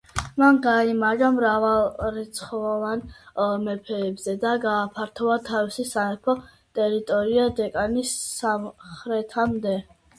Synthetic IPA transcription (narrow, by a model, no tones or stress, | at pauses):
manɡaimaʒamɾavalˠɾɛt̪sʰχɔlɔvanmɛpʰɛːbzɛd̪aɡaːpʰaɾt̪ʰɔvat̪ʰavisisaɛpʰɔ | t̪ʼɛɾit̪ʼɔɾiad̪ɛkʼanisːamχɾɛt̪ʰamd̪ɛ